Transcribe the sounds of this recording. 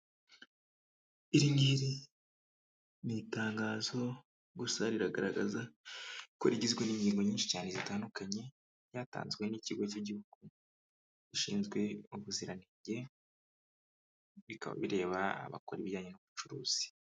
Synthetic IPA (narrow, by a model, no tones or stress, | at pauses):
iɾiŋɡiɾi | nitaːŋɡaːzo̞ | ɡusaɾiɾaɡaɾaɡazako̞̰ɾiɟizɡweniɲɟiːŋɡo̞ɲiːnʃi̥caːne̞zitaːndukaɲe̞ | jaːta̰ːnzɡwe̞niciɡo̞ciɟihuɡ̥u | iʃḭːnzɡwe̞uβuziɾaniːɲɟe̞ | βika̰βa̰βiɾe̞ːβa̰ːβa̰ko̞ɾiβiɟaːɲenuβut͡ʃuɾuːz̥i̥